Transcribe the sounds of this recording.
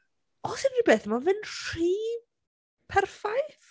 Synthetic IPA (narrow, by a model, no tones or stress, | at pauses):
ɔsɪnribeːθmɔvɨnr̥iː | pʰɛrfajθ